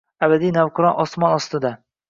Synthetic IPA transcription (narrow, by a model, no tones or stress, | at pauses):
abad̪ijnawqʰɨɾɒnʔɒsmɒnɒst̪ɪd̪a